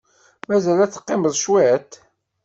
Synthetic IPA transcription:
mæzælæt͡sːə̥qːɪməðˤʃwæt̪

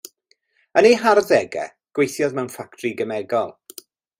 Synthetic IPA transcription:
ənejɦaɾdɛɡɛ̰ | ɡ̥wejθjɔðmɛwnfaktʰriɡəmɛɡɔlˠ

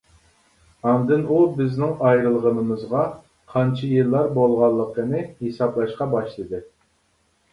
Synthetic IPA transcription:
ɑnd̪ɨnubɪznɪŋɑjɾɨlˠʁənɨmɨzʁɑ | qʰɑnt͡ʃʰɪjɨlˠːɑɾbolˠʁɑlˠːəqʰənɨhesɑblˠɑʃqɑbɑʃlˠɨd̪ɨ

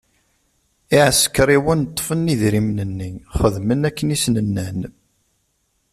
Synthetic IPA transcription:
iʕəsə̥kɾiwənt̪ˤːfənːiðɾimnənːiχəðmənækːənisnənːæn

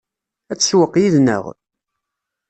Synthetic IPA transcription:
æt͡sːswəqːjiðnə̰ʁ

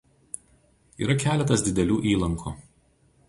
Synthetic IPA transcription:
ḭːɾɐkʲæːlʲɛt̪ɐsd̪ʲɪd̪ʲɛlʲuːʔiːlˠɐŋkʰṵː

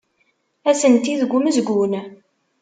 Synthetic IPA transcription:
æsənt̪iðəɡʷːuməzɡʷun

